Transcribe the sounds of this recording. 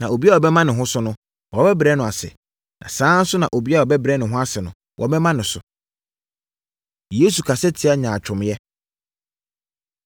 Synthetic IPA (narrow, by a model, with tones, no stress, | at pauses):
nã˨o˨bi˦a˦wɔ˨bɛ˦mã˦nɪ̃˨ɦʊ̃˦sʊ˦nʊ̃˦ | wɔ˨bɛ˦bɾɛ˦nʊ̃˨a˨sɪ̰˨ | nã̰˨sãː˦n̩˦sʊ˦nã̰˨ʔo˨bi˦a˦wa˨bɛ˦bɾɛ˦nɪ̃˨ɦʊ̃˦a˦sɪ˨nʊ̃˨ | wʔɔ̰˨bɛ˦mã˦nɪ̃˨sʊ̰˨ | je˦su˨kʰa˨sɛ˦tʰɪ˨˦a˦ɲãː˨t͡ɕᶣʰʊ̃˨m˦jɛ˦